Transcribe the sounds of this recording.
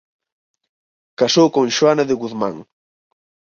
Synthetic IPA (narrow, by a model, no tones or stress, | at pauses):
kasowkõŋʃwanaðɪɣuðma̰ŋ